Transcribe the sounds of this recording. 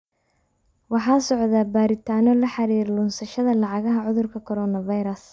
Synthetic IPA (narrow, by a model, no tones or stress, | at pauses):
wɑħɑːsɔʕðabaːɾɪt̪ʰaːnɔlɐħɑɾiːɾlʊnsɐʃɐðɐlɑʕɑɣɐɦɐʕʊðʊrkʰɐkʰɔɾɔːnɐvɐjɾɐs